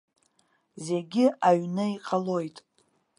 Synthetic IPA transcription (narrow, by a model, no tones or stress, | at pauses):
zeɡʲɪʔaɥnɨiqʼalo̞jtʼ